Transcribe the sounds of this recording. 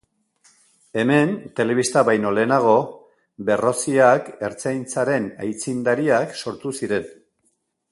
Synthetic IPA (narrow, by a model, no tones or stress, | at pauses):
e̞me̞nt̪e̞le̞βist̪aβajno̞le̞ːnaɣ̞o̞ | be̞ro̞siake̞ɾt͡sajnt͡saɾe̞na̰jt͡sind̪aɾiakso̞ɾt̪usiɾe̞n